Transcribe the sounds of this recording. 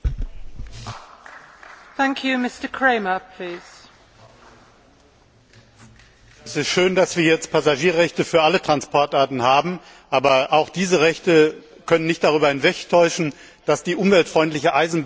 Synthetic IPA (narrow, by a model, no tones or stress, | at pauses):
θæ̃ŋkʰjʉmɪstəkʰɹ̥eɪməpʰl̥iːz̥ | ɛsɪstʃøːndasv̥iːɐjɛt͡st̚pʰazaʒiːɐʁɛçtəfyːɐʔalətʁ̥anspʰɔɐtʔaɐtn̩haːbm̩ | ʔaːbɐʔaʊxd̥iːzəʁɛçtə | kʰœnənːɪçtd̥aʁ̞yːbɐhɪnvɛktʰɔʏʃn̩ | d̥asd̥iːʔʊmvɛltfʁ̥ɔʏntlɪçəʔaɪzn̩b